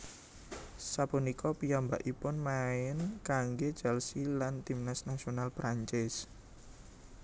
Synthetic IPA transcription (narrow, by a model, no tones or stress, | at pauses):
sapunikɔpijambaʔipʊnmaɪnkaŋɡe̥d͡ʒ̥ɛlsilant̪imnasnasionalpɾaɲt͡ʃɪs